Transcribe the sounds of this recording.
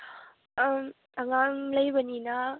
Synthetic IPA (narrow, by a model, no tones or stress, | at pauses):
m | aŋaŋləjbanina